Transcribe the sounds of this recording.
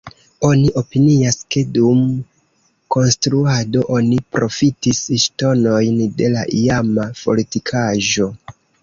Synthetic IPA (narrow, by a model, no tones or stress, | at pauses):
o̞niʔo̞piniaske̞dum | ko̞nstɾuado̞ʔo̞nipɾo̞fitisʃto̞no̞jnde̞laʔiamafo̞̰litikʰaʒo̞